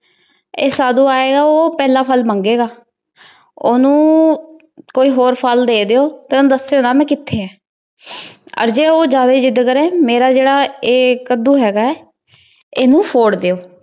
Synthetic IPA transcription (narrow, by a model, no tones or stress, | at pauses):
eːsaːd̪uːaːeːɡaːoːpɛːlãːpʰəlməŋɡeːɡaː | oːnũː | koːiːɦoːɾpʰəld̪eːd̪eːoːt̪eːonũːd̪əsːeːoːnaːmɛ̃ːkɪt̪ʰːeːɛ̃ː | ə̰ɾd͡ʒeːoːd͡ʒjaːd̪aiːd͡ʒɪd̪kəɾɛ̃ːmeːɾaːd͡ʒeːɽaːeːkəd̪uːɦɛːɡaːɛː | eːnũːpʰoːɽd̪eːoː